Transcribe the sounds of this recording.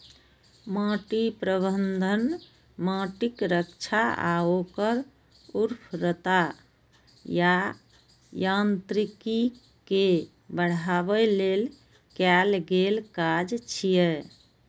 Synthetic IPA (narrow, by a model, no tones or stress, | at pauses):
mãʈipɾəbənd̪ʱən | mãʈikɾəkt͡ʃʰaa̰okəɾ | uɾpʰɾət̪a | ja | jant̪ɾiki | ke | bəɽ̤abɛlel | kɛlɡelkad͡ʒt͡ʃʰijɛ